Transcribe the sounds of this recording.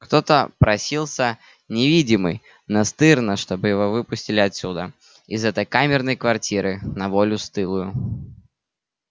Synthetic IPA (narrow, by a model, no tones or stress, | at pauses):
kt̪o̞t̪əpɾɐsʲilˠsʲə | nʲɪvʲidʲɪmɨj | nɐst̪ɨrnəʂt̪o̞bɨjɪvovɨpʊsʲtʲɪlʲɪɐt̪sʲud̪ə | ɪzɛt̪əjkamʲɪrnəjkvɐrtʲiɾɨnɐvolʲʊst̪ɨlˠʊjʊ